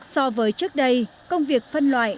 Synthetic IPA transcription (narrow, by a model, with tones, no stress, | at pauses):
sɔ˧vəː˨˦jt͡ɕɨ˦˥ək̚ɗə˧j | kə˧wŋ͡mvi˨˩ək̚fə˧nlwa̰ː˧˨j